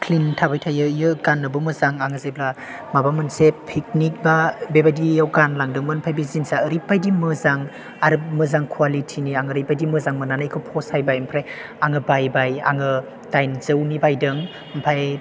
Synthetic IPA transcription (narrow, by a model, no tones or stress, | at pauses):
kʰlintʰabajtʰajɯjɯɡanːɯbɯmɯzaŋaŋɯzajbla | mabamɯnsepʰik̚nik̚babebajdijawɡanlaŋdɯŋmɯnpʰajbizinsaɾipːajdimɯzaŋ | aɾmɯzaŋkʰwalitʰiniaŋɯɾipːajdimɯzaŋmɯnanajkʰɯpʰɔshajbajmpʰɾaj | aŋɯbajbaja̰ŋɯ | tajnzɯwnibajdɯŋ | mpʰaj